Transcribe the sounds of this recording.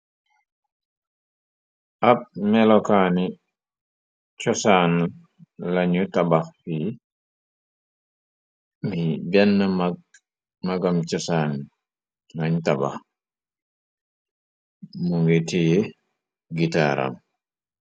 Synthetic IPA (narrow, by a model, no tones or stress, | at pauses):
ʔap̚mɛlɔkani | t͡ʃɔsan | laɲutabaxfi | mibɛnːə | maɡamt͡ʃɔsan | laɲutaba̰x | muŋɡetije | ɡita̰ɾa̰m